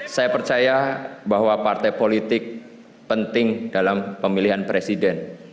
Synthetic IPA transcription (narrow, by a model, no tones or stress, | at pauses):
sajapərt͡ʃajabaɦwapart̪apolit̪ɪk̚ | pənt̪ɪŋd̥alampəmiliɦanpɾesidɛn